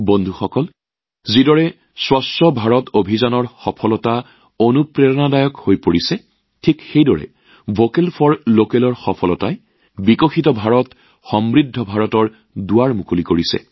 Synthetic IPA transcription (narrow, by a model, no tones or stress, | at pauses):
bondʱuxɔkɔl | zidɔɹɛ | swɔstɔbʱaɹɔtobʱizanɔɹxɔpʰɔlɔta | onupɹɛɹɔnadajɔkhojpoɹisɛ | tʰikxejdɔɹɛ̰ | vokɛlpʰɔɹlokɛlɔɹxɔpʰɔlɔtaj | bikɔxitɔbʱaɹɔt | xɔmɹidʱːɔbʱaɹɔtɔɹ | dʊwaɹmukulikoɹisɛ̰